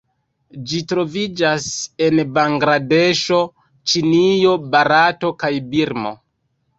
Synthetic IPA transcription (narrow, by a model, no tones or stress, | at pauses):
d͡ʒitɾo̞vid͡ʒase̞nbaŋɡɾade̞ʃo̞ | t͡ʃinijo̞baɾato̞kajbiɾmo̞̰